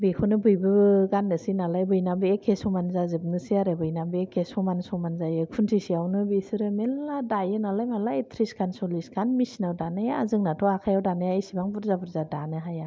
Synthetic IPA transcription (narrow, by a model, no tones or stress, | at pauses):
bekʰunɯbɯjbɯɡanːɯsinalajbɯjnabɯekʰesɔmanzazɯbnɯsiaɾebɯjnabɯekʰesɔmansɔmanzajɯkʰuntʰisiawnɯbesɯɾɯmelːadajɯnalajmalaetʰɾiskʰansɔliskʰanmisinawdanɯjaːzɯŋnatʰɔakʰajawdanɯjajsibaŋbuɾzabɯɾzadanɯɦaja